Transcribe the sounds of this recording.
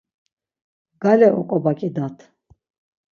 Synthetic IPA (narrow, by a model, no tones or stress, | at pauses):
ɡalɛʔɔ̰kʼɔbakʼid̪at̪ʰ